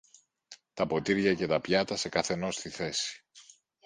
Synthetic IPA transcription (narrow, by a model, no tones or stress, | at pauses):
t̪ɐpo̞t̪iɾʝɐce̞t̪ɐpʝɐt̪ɐse̞kɐθe̞no̞st̪iθe̞si̥